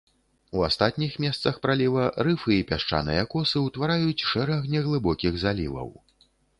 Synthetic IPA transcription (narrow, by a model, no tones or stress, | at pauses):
ua̰st̪at̪nʲixmʲɛst̪sɐxpɾalʲivɐɾɨfɨipʲaʂt͡ʂa̰nɨ̰jɐkɔsɨwt̪vaɾajut͡sʲʂɛɾɐɣnʲɛɣlˠɨbɔkʲiɣzalʲḭvɐ̰w